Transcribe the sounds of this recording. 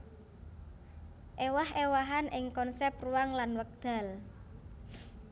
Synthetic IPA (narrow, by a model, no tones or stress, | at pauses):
ʔewahewaɦanʔɪŋkɔnsɛp̚ruwaŋlanwək̚d̪̥a̤l